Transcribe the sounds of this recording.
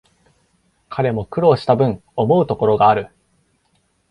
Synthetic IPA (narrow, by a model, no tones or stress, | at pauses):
kʰaɾe̞mo̞kɯ̟ɾo̞ːɕi̥t̪abɯ̟̃ɴo̞mo̞ɯ̟t̪o̞ko̞ɾo̞ɡaːɾɯ̟